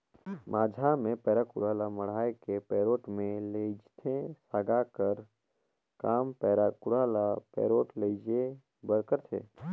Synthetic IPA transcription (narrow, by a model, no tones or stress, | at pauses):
mʔaːd͡ʒʱamẽpɛːɾakʊɾaːlaməɽ̤aːekepɛːɾoːʈmẽled͡ʒt̪ʰẽsaːɡakəɾ | kaːmpɛːɾakʊɾaːlapɛ̰ːɾoːʈled͡ʒe | bəɾkəɾt̪ʰḛː